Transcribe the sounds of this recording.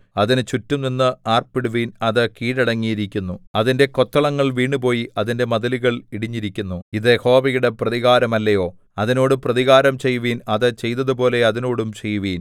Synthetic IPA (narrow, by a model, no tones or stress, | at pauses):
ɐðinɨt͡ɕutːumninːɨaːrpiɽuʋiːnɐðɨkiːɽɐɽɐŋːijiɾikʲːunːuɐðinde̞ko̞t̪ːɐɭɐŋːɐɭʋiːɳɖɨpo̞ːjiɐðinde̞mɐðɐliɣɐɭiɽiɲːiɾikʲːunːuiðeho̞ːbɐjuɽe̞prɐðiɣaːɾɐmɐlːɐjo̞ː | ɐðino̞ːɽuprɐðiɣaːɾɐmt͡ɕe̞jːuʋiːnɐðɨt͡ɕe̞jt̪ɐðupo̞ːle̞ɐðino̞ːɽumt͡ɕe̞jːuʋiːn